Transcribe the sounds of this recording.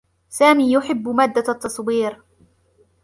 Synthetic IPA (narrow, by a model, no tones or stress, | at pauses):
saːmiːjʊħɪbːmaːd̪ːat̪ːɑsˤwiːɾ